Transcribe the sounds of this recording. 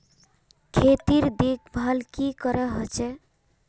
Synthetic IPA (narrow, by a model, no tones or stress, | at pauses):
kʰet̪iɾd̪ik̚bʱalkikɔɾɛɦɔt͡ʃe